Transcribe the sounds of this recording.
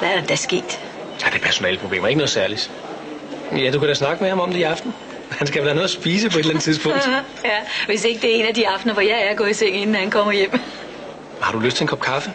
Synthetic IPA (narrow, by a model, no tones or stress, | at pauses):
ʋæɐd̥ed̥æsɡ̥e̝̰ːd̥ | æɐd̥e̝pʰæɐso̝nɛ̰ːləpʰʁob̥le̝̰ːmɐe̝ɡənɔ̽ð̩ˠsæɐlid̥ | jæd̥ukʰæd̥æsnɑ̈ɡ̥əmehɑ̈mɒ̽md̥eiɑ̈fd̥n̩ | hænsɡ̥ælæɐnɔðˠsb̥iːs̬əpʰɒ̽e̝dlænət͡sʰiðˠsb̥ɔ̰̽d | jæʋe̝se̝ɡ̥əd̥e̝æɐe̝̰næd̥iɑ̈fd̥nɐʋɒjɑ̈ɪæɐɡ̥ɔ̰ːit͡sʰeŋ̰e̝nn̩ːhænkʰɒ̽m̰ɐjem̰ | hɑ̈d̥uløsd̥t͡sʰe̝enkʰɒ̽b̥kʰɑ̈fə